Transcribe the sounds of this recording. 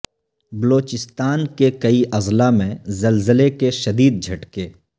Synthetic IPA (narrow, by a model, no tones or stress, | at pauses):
bɐloːt͡ʃɪst̪aːnkekɐiʔɐzlamẽzɐlzəlekeʃɐd̪iːd̪̚d͡ʒʱɐʈkeː